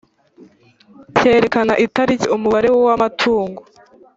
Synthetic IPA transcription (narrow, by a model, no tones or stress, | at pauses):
ce̞ːɾe̞kanaʔitaɾiciumuβaɾe̞wowamatʰuːŋɡo